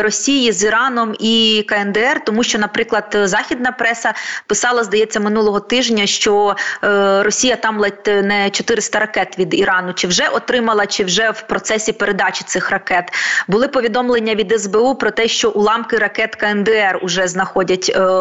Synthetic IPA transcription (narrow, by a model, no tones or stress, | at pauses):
ɾɔsʲijiziɾɑnɔmikɐɛnd̪ɛɛrt̪ɔmuʃt͡ʃɔnɐpɾɪklˠɐd̪zɑxʲid̪̚nɐpɾɛsɐpɪsɑlˠɐzd̪ɐjɛt͡sʲːɐmɪnulˠɔɦɔt̪ɪʒnʲɐʃt͡ʃɔ | ɾɔsʲijɐt̪ɑmlˠɛnɛt͡ʃɔt̪ɪɾɪst̪ɐɾɐkɛt̪ʋʲid̪iɾɑnʊt͡ʃɪwʒɛʔɔt̪ɾɪmɐlˠɐt͡ʃɪwʒɛwpɾɔt̪sɛsʲipeɾe̞d̪ɑt͡ʃɪ̥t̪sɪxrɐkɛt̪bʊlˠɪpɔʋʲid̪ɔmlˠenʲːɐʋʲid̪ɛzbɛupɾɔt̪ɛʃt͡ʃɔʔulˠɑmkɪɾɐkɛt̪kɐɛnd̪ɛɛrʊʒɛznɐxɔdʲɐtʲ